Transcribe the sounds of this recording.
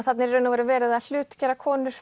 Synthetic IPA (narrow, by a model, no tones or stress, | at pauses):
θat̪nɪɾːœːnavɔɾʏvɛːɾɪðaðl̥ʏːt̪cɛːɾakʰɔːnʏɾ̥